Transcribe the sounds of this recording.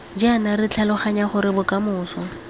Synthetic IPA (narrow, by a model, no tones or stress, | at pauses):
d͡ʒɪanarɪt͡ɬʰalʊχaɲaχʊɾɪbʊkʼamʊːsɔ